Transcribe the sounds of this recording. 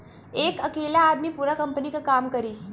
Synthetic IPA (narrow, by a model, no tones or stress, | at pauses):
eːkɐkeːlaːd̪mipuːɾakɐmpənikakaːmkəɾiː